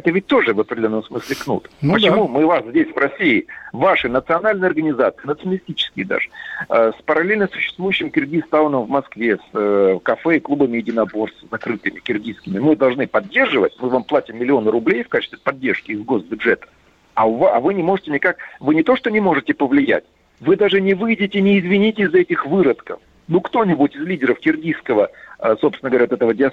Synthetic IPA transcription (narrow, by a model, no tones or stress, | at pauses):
ɛt̪əvʲɪt̚ʲt̪o̞ʐɨvəpɾʲdʲlʲo̞nːəmsmɨsʲlʲɪknṵt̪pət͡ɕɪmumɨvaszʲdʲesʲvrɐsʲiɪvaʂɨnət̪sɨɐnalʲnɨjɐrɡənʲɪzat̪sɨɪnət̪sənəlʲɪsʲtʲit͡ɕɪ̥skʲɪjəd̪a̰ʐɨəspəɾɐlʲelʲnəsʊ̥ɕːɪ̥st̪vujʏɕːɪmkʲɪrɡʲist̪aʊnəmvmɐskvʲe̞səkɐfɛɪklˠubəmʲɪjɪdʲɪnɐbo̞rszɐkɾɨt̪ɨmʲɪkʲɪrɡʲiskʲɪmʲɪmɨd̪ɐlˠʐnɨpɐdʲːe̞rʐɨvət̚ʲmɨvamplˠatʲɪmːʲɪlʲɪo̞nəɾʊblʲejfkat͡ɕɪst̪vʲɪ̥pɐdʲːerʂkʲɪɪzɡo̞sbʲʊdʐɛt̪ə̥ | aʊvaɐ̰vɨnʲɪmo̞ʐɨtʲɪnʲɪkak̚vɨnʲɪt̪o̞ʂt̪onʲɪmo̞ʐɨtʲɪpəvlʲɪjæ̰tʲ | vɨd̪aʐɨnʲɪvɨjɪdʲɪtʲɪnʲɪːzvʲɪnʲitʲɪzːɐɛtʲɪxvɨɾət̪kə̰f | nukt̪o̞nʲɪbʊtʲɪzlʲidʲɪɾəfkʲɪrɡʲiskəvəsopsʲnɡəɐɾʲavot̪ɛt̪əvədʲɪɐ